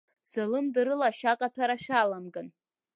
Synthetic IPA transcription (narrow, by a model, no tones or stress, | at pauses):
z̥ɨlɨmdɨɾɨlaʃakʼatʷʰaɾaʃʲᶣalamɡan